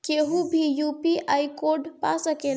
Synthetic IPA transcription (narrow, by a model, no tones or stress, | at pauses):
keɦũbʱijupiajkoɖpasəkel